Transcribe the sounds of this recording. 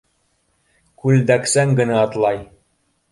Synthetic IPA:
kʉld̪æksæŋɡɘ̆næɑt̪lˠɑj

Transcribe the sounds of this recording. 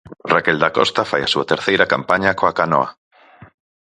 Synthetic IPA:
rakeld̪akɔ̰st̪afajasuat̪eɾθejɾakampaɲakoakanɔ̰a

